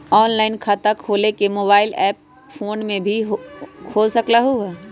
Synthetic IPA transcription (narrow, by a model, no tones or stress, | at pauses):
ɔːnlaːɪnkʰaːt̪akʰoːlekemoːbaːɪlɛːp̚ | foːnmẽbʱiɦkʰoːlsɐklaɦuɦɛː